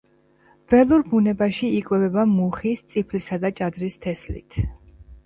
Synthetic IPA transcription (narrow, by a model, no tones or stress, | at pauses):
v̥ɛlˠuɾbunɛbaʃiikʼwɛvɛbamuχist̪sʼipʰlisad̪at͡ʃʼad̪ɾist̪ʰɛslḭt̪ʰ